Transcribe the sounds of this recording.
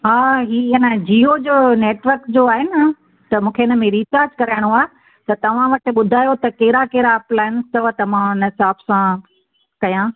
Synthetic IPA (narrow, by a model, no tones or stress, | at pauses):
ɦaːɦiːɐnəd͡ʑiːɦod͡ʑoːneːʈʋəɾkd͡ʑoaːɦɪn | t̪ɐmũːkʰeɪnə̆mẽɾiːt͡ɕaːɾd͡ʑkɐɾaːɪɽ̃oaːɦe | t̪ɐt̪ɐʋ̤ãʋɐʈɪ̆ɓʊd̪ʱaːjot̪ɐkeːɾakeːɾaplaːɪnst̪ɐʋt̪ɐʋ̤ãnɦɪsaːbsã | kɐjã